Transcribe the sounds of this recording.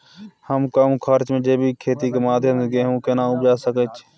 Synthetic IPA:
həmkəmkʰaːɾt͡ʃmẽːd͡ʒeːbʱiːkʰeːt̪iːkeːmaːd̪ʱjəmsɡeːũːkeːnãːʊbd͡ʒaːsəkət͡ʃ

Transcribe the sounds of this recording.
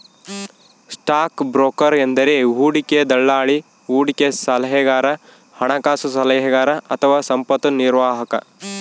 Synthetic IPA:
sʈaːkbɾoːkɐɾend̪ɐɾeɦuːɽiked̪ɐɭːaːɭi | ɦuːɽikesɐlɐɦeɡaːɾɐ | hɐɳɐkaːsusɐlɐɦɛɡaːɾɐʔɐt̪ʰɐʋaːsɐmpɐt̪uniɾʋaːɦɐkɐ̰

